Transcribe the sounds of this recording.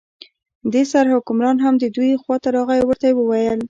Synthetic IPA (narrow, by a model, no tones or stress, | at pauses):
d̪esaɾhʊkʊmɾɑnɦamd̪əd̪ujxwɑt̪aɾɑɣajwəɾt̪ajewəwajəl